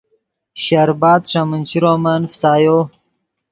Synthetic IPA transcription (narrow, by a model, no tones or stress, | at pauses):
ɕaɾbaːd̪ʂamənt͡ɕiɾoːmanfsaːjo